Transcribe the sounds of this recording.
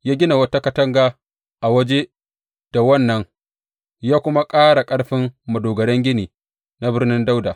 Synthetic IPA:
jaː˦ɡʲɪ˦na˨wɐ˦ta˦kɐ˨tɐ˦ŋɡa˨ | ʔa˨wɐ˦d͡ʒe˦ | d̥a˨wɐ˦˨nːɐ˦ŋ | jaː˦kʷʊ˦ma˦kʼaː˦ɽa˨kʼɐ˦ɽɸɪ˦mːɐ˨doː˨ɡɐ˨ɽɛ˦ŋɡʲɪ˦niː˨ | na˦bɪ˦rnɪ˦nda˦wdaː˨

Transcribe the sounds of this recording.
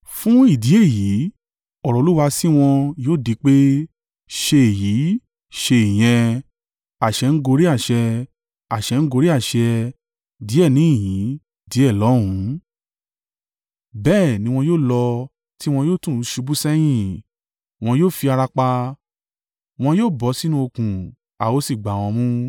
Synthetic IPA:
fũ˦i˦˨di˨˦e˦˨ji˨˦ | ɔ˦˨ɾɔ˨˧˦u˦wa˧si˦w̃ɔ̃˧joː˦˨di˧˦k͡pe˦ | ʃe˧e˨ji˨˦ | ʃe˧i˨j̃ɛ̃˧ | a˨ʃɛ˧n̩˦ɡo˧ɾi˦a˦˨ʃɛ˧ | a˨ʃɛ˧n̩˦ɡo˧˦ɾi˦a˦˨ʃɛ˧ | di˨˦ɛ˦˨nĩ˨˦i˦˨jĩ˨˦ | di˨˦ɛ˦˨lɔ˨˦ɾũ˨˦ | bɛː˦˨nĩ˧w̃ɔ̃˧joː˦˨lɔ˧ | ti˦w̃ɔ̃˧jo˦˨tũ˦˨˦ʃu˧bu˦sɛ˦j̃ĩ˦˨ | w̃ɔ̃˧joː˦˨fi˧a˧ɾa˧k͡pa˧ | w̃ɔ̃˧joː˦˨bɔ˨˦si˦nũ˧o˧kũ˨ | a˨wo˦si˦˨ɡ͡ba˨w̃ɔ̃˧mũ˦

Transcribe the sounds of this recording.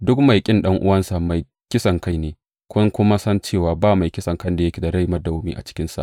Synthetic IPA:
dʊ˦kma˨jkʲʼɪ˦nɗɐ˦ŋʔʊ˦wɐ˦nsa˨ma˨j | kʲɪ˦sɐ˨ŋka˦˨jneː˨ | kʷʊ˦ŋkʷʊ˦ma˦sɐ˦nt͡ʃeː˦˨waː˨baː˦˨ma˨jkʲɪ˦sɐ˨ŋkɐ˦nda˨jɐ˦kʲe˨da˨ɽa˦jmɐ˦da˨wu˦miː˦ʔa̰˨t͡ʃɪ̥˦kʲɪ˦nsa̰˨

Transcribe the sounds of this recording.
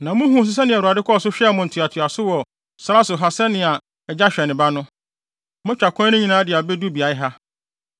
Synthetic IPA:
nã˨mʊ̃˦ɦũ˨˦˨sʊ˨s̬ɛ˦nɪ̃˨a˨u˨a˨dɪ˦kʰɔ˦˨sʊ˦ɕᶣɛ˦˨mʊ̃˨n̩˨tʰɪ˨a˨tʰʊ˨a˨sʊ˦wɔ˨ | sa˦a˦sʊ˨ɦa˨sɛ˦nɪ̃˨a˨ | d͡ʑa˦ɕᶣɛ˨nɪ̃˨ba˦nʊ̃˦ | mʊ̃˦t͡ɕᶣa˨kʷʰɔ̃˦nʊ̃˦ɲĩ˨nãː˦dɪ˨a˨be˦du˦bi˨a˨ɪ˦ɦa˦

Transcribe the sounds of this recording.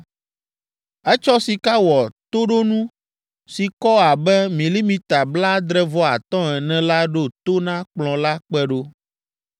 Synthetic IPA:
ɛ˦t͡ʃɔ˦si˨ka˦wɔ˨t̪o˦ɖo˦nũ˦ | si˨kɔ˦a˨bɛ˦mĩ˨li˦mĩ˨t̪a˨bla˦d̪ɾɛ˦vɔ˦a˨t̪ɔ̃˦ɛ˨nɛ̃˨la˦ɖo˦t̪o˦nã˦k͡plɔ̃˨la˦k͡pɛ˦ɖo˦

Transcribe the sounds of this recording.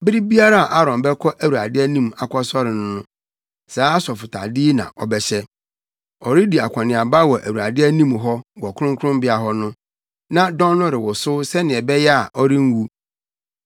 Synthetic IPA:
bɪ˦ɾi˦bi˦a˦ɾa˦a˨ʔa˦ɾɔ̃˨mbɛ˦kʰɔ˦ʔæ˨wu˨a̰˨dɪ˦æ˦nĩ˦ma˨kʷʰɔ˦sɔ˦ɾɪ˨nʊ̃˦nʊ̃˦ | saː˨˦sɔ˨fʊ˨tʰa̰˨dɪ˦nã̰˨ʔɔ̰˨bɛ˨ɕɛ˦ | ɔ˨ɾɪ˦di˨a̰˨kʷʰã˨nɪ̃˨a˨ba˦wɔ˨ʔæ̰˨wu˨a˨dɪ˦æ˦nĩ˦mɦɔ˦wɔ˨kʰʊ˦ʊ̃˦ŋkʰʊ˦ɾʊ̃˦mbɪ˦a˨ɦɔ˦nʊ̃˦ | nã˦dɔ̃˦nː˦ʊ̃˦ɾɪ˨wɔ˨sʊ˦sɛ˦nɪ̃˨ɛ˨bɛ˦jɛ˦a̰˨ʔɔ˦ɾɪ̃˦ŋ˦wu˦

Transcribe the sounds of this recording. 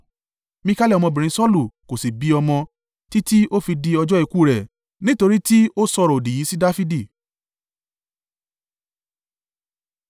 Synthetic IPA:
mĩ˧ka˦lɛ˦˨ɔ˧mɔ̃˧bĩ˨ɾ̃ĩ˨˦sɔ˦lu˦˨ko˨si˨bi˧˦ɔ˧mɔ̃˧ | ti˦ti˦ʔo˦fi˧di˧ɔ˧d͡ʒɔ˦e˧ku˦˨ɾɛ˨ | nĩ˦to˧ɾi˦ti˦o˦sɔ˧ɾɔ˨o˨di˨ji˨˦si˦da˦fi˦di˦˨

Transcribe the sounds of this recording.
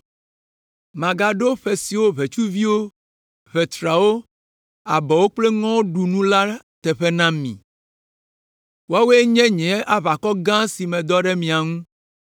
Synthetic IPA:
mã˨ɡa˨ɖo˦ɸe˨si˨wo˦βe˨t͡ʃu˦vi˦wo˦ | βɛ˨t̪ɾa˨wo˦ | a˨bɔ˨wo˦k͡ple˦ŋɔ̃˦ɖu˨nũ˦la˦ | t̪ɛ˨ɸɛ˦nã˦mḭ̃˨ | wo˦a˦we˦e˦ɲɛ̃˦ɲɛ̃˨˦ʔa˦βa˨kɔ˦ɡã˦si˨mɛ̃˨d̪ɔ˦ɖɛ˦mĩ˨a˨ŋũ˦

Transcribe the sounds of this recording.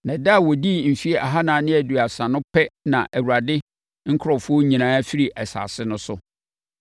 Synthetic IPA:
nɛ̃˨da˦˨wɔ˨di˦m̩˨fi˦ɛ˦ʔa˨ɦa˦nã˨nɪ̃˦æ˨du˨a˨sã˨nʊ̃˦pʰɛ˦nã˨ʔæ˨wu˨a˨dɪ˦ | ŋ̩˦kʰɾɔ˨fʊ˦o˦ɲĩ˨nãː˦fi˦ɾi˨ʔɛ˨sa̰˨sɪ˦nʊ̃˦sʊ̰˦

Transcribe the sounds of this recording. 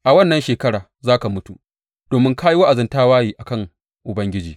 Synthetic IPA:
ʔa˨wɐ˦nːɐ˨˦nʃeː˨kɐ˦ɽaː˨ | zaː˦ka˨mʊ˦tṵ˨ | d̥oː˨mɪ˦ŋkaː˦ji˦wa˦ʔa˨zɪ˦ntaː˦waː˦jiː˨ʔa˨kɐ˦˨ŋ | ʔʊ˨bɐ˦ŋɡʲɪ˦d͡ʒiː˨

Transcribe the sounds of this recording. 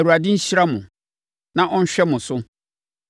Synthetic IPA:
u˨a˨dɪ̃˦ɲ̩˦ɕi˦ɾa˦mʊ̃˨ | nã˦˨ʔɔ̃˦n̩˦ɕᶣɛ˦mʊ̃˨sʊ˦

